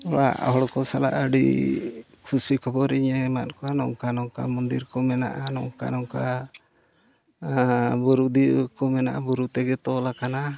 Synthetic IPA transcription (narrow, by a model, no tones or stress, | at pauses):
ɔɽa̰ʔa̰ɦɔɽkɔsala̰ʔəɖḭ | kʰusikʰɔbɔɾiɲɛmat̪̚kɔanɔŋkanɔŋka̰mɔnd̪iɾkɔmɛna̰ʔanɔ̰ŋka̰nɔŋka | bɔɾud̪ikɔmɛnaʔabuɾut̪ɛɡɛt̪ɔlakana